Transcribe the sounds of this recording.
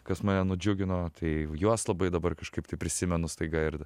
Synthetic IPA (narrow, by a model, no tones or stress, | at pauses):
kɐsmɑːnʲɛnʊd͡ʒʲʊɡʲɪnoːt̪ʰɐɪjuɔslˠɐbɐɪd̪ɐbɐrkɐʃkɐɪpt̪ɐɪpʲɾʲɪsʲɪmʲɛnʊst̪ɐɪɡɐɪɾ